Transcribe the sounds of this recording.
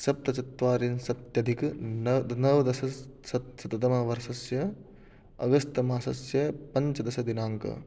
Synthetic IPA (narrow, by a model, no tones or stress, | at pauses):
sɐp̚t̪ɐt͡ʃɐt̪ʋaːɾinsɐt̪jɐd̪ʱik̪ | nɐʋd̪ɐsɐsɐsɐt̪ɐt̪ɐmɐʋɐɾsɐsjɐ | ɐ̰ɡɐst̪ɐmaːsɐsjɐpɐɲt͡ʃɐd̪ɐʃɐd̪inaːŋkɐ̰